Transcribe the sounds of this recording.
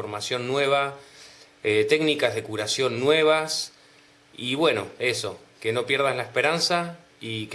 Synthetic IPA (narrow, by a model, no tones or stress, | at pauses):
oɾmasjo̞nːwe̞β̞a | et̪e̞ɡnikazðekuɾasjo̞nːwe̞β̞as | iβwe̞no̞̰e̞so̞ | ke̞no̞pje̞ɾðazlaespe̞ɾansa | ik